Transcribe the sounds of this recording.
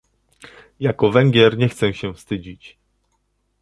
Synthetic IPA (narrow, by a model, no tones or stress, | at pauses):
jakɔvɛŋɡʲjɛɾɲɛxt̪sɛɕɛfst̪ɘd͡ʑit͡ɕ